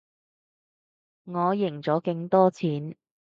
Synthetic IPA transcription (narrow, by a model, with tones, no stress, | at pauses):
ŋɔː˨˧jɪ˨˩ŋt͡sɔː˨˥kɪ˧ŋt̪ɔː˥t͡sʰiː˨˥n